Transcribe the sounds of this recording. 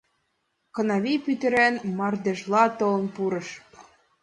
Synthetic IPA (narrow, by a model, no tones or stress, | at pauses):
kɤ̆nɑβipyt̪ɘ̆ɾænmɑrd̪eʒlˠɑt̪ɤ̆lɤ̆npuɾɤ̆ʃ